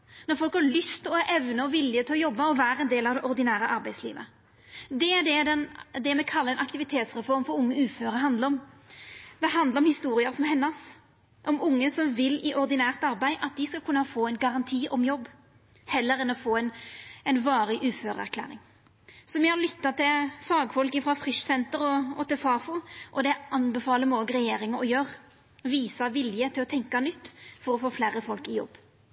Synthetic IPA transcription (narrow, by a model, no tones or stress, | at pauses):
nɔɾfɔlkhɑɾɭʏst̪ɔæɾʔɛʋnəɔʋɪlːɪət̪ʰɪlɔjɔbːɑɔʋæːɾəɛnd̪eːlɑʋd̪ɛʔɔɾd̪ɪnæːɾəʔɑɾbæɪslḭːʋə̰ | d̪ɛæd̪ɛd̪ɛnd̪ɛmɛkʰɑlːəɛnɑkt̪ɪʋɪt̪ʰeːt̪sʁɛfɔɾmfɔɾʊŋːəʉːføːɾəɦɑnd̪ləɔm | d̪ɛɦɑnd̪əɾɔmhɪst̪uːɾɪəɾsɔmhɛnːɑs | ʔɔmʊŋːəsɔmʋɪlːɪʔɔɾd̪ɪnæːʁt̪ɑɾbæɪʔɑt̪̚d̪ɪskɑlkʰʉnːɑfoːɛɪnɡɑɾɑnt̪ʰiːʔɔmjɔbː | hɛlːəɾɛnɔfoːɛnɛɪnʋɑːɾɪʔʉːføːʁəæ̰ɾkʰlæ̰ːɾɪ̰ŋ | sɔmɪhɑɾlʏt̪ːɑt̪ʰɪfɑːɡfɔlkɪfɾʁɑfɾɪʂsɛnt̪əɾɔɔt̪ɪlfɑːfʊʔɔd̪ɛɑnbɛfɑːləmoːɡəɾɛjeːɾɪŋəɾɔjøːʁ | ʋiːsɑʋɪljət̪ʰɪlɔt̪ʰɛŋkɑnʏt̪ːfɔɾɔfoːflæːɾəfɔlkɪjɔ̰bː